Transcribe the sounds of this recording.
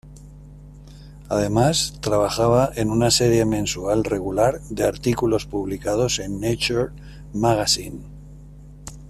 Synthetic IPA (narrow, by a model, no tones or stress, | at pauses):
aðe̞mast̪ɾaβ̞axaβ̞aʔe̞nunase̞ɾje̞mẽ̞nsualre̞ɣulaɾðe̞aɾt̪ikulo̞spuβ̞likað̞o̞se̞nːet͡ʃoɾ | maɣasin